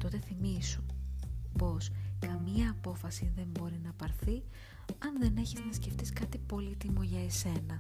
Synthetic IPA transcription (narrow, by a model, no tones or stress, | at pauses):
t̪o̞t̪e̞θimisu | po̞skɐmiɐːpo̞fɐsiðe̞mbo̞ɾinɐpɐɾθi | ɐnðe̞ne̞çiznɐsce̞ft̪iskɐt̪ipo̞lit̪imoʝɐese̞nɐ